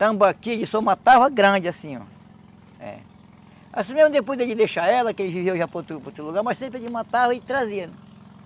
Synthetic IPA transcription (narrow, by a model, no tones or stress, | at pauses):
t̪ɐ̃bakid͡ʒɪsoũmat̪avɐɡɾɐ̃d͡ʒɪasĩɔ̰ | ɛ̰ | a̰sĩmezmʊd̪epojzd̪ed͡ʒɪd̪eʃaɛlɐkɪelɪvivewʒapot̪upot̪uluɡaɾmɐssẽpɾed͡ʒɪũmɐt̪avɐɪt̪ɾaziɐnɛ̃